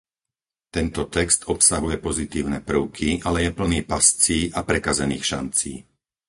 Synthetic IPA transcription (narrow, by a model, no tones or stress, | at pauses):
t̪ɛnt̪ɔt̪ɛkst̪ɔpsaɦujɛpɔzit̪iːʊnɛpr̩ʊkʰiʔalɛjɛpl̩niːpast͡siːʔapɾɛkazɛnḭːxʃa̰nt͡sḭː